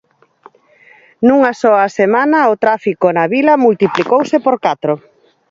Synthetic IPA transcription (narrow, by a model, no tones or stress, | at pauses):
nuŋasɔɐsemanɐot̪ɾafikonɐβilɐmult̪iplikowsɪpoɾkat̪ɾo